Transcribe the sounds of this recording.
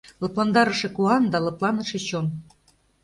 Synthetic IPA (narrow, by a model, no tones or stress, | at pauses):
lɤ̆plɑnd̪ɑɾə̆ʃĕkuɑnd̪ɑlɤ̆plˠɑnɤʃet͡ɕom